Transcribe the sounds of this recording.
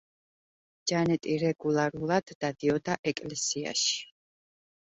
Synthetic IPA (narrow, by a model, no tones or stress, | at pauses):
d͡ʒanɛt̪ʼiɾɛɡulˠaɾulˠad̪̥ːad̪iɔd̪aʔɛkʼlɛsia̰ʃi̥